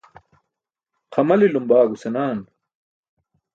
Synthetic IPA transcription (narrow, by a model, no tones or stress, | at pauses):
qʰɐmɐlilumbaːɡusenaːn